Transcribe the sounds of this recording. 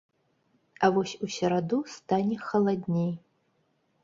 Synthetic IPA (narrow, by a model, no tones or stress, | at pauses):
avɔsʲusʲɐɾad̪ust̪anʲɛxɐlˠad̪ʲnʲej